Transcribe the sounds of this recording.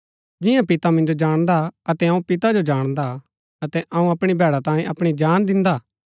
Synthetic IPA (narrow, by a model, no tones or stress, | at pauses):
d͡ʒɪ̃jãpɪt̪amɪ̃nd͡ʒod͡ʒaːɽ̃d̪aɐt̪ɛɐũpɪt̪ad͡ʒod͡ʒaːɽ̃d̪a | ɐt̪ɛʔɐũɐpɽ̃ibʱɛːɽat̪ãːjẽʔɐpɽ̃id͡ʒaːnd̪ɪ̃nd̪aː